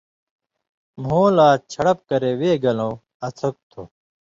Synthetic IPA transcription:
mõːlaːt͡ɕʰɐɽɐp̚kɐɾeweːɡɐlõː | ɐt͡s̪ʰok̚t̪ʰo

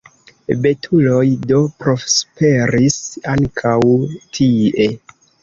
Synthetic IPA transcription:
be̞tʰulo̞jdo̞pɾo̞spe̞ɾisaŋkʰawtʰie̞

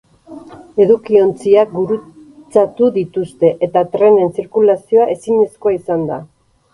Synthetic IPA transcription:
e̞ðukio̞nt͡siak̚ɡuɾu | t͡sat̪uðit̪ust̪e̞ʔet̪at̪ɾe̞ne̞nsiɾkulasio̞aʔe̞siɲe̞sko̞aisand̪a̰

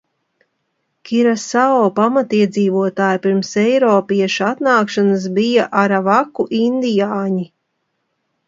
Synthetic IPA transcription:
kʲiɾasaɔːpamat̪iɛd̪ziːvuɔt̪aːjpiɾmsɛjɾɔːpiɛʃuat̪naːkʃanas̬bijaʔaɾavakːuʔind̪ijaːɲi

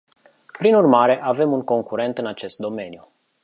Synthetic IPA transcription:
pɾinurmaɾe̞ʔave̞munko̞ŋkuɾe̞nt̪ɨnat͡ʃe̞st̪̚d̪o̞me̞nju

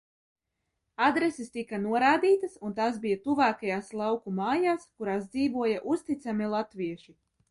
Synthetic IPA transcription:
ad̪ɾesist̪ikanuɔɾaːd̪iːt̪ɐsunt̪aːsbijat̪uvaːkajaːslˠawkumaːjaːskuɾaːsd̪ziːvuɔjaʔust̪it̪samilˠat̪viɛʃi

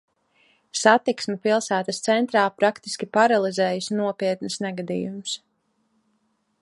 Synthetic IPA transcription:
sat̪iksmɛpilˠsæːt̪ast̪sɛnt̪ɾaːpɾakt̪i̥skʲipaɾalˠizɛːjusnuɔpiɛt̪nsnɛɡad̪ḭːjums

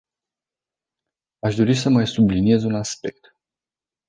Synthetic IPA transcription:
aʃd̪o̞ɾisəmajsublinie̞zunaspe̞k̚t̪

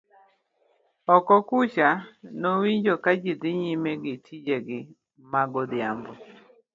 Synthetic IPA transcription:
ɔkɔkut͡ʃanowiɲd͡ʒokad͡ʒid̪ɪɲimeɡɪtʰid͡ʒeɡɪ | maɡɔd̪ɪjambɔ

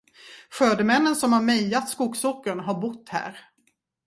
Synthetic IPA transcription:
ɧøːd̪əmɛnːənsɔmhaɾmɛjat̪skuɡsɔkːəɳɦaɾbʊt̪ːhæ̰ːɾ

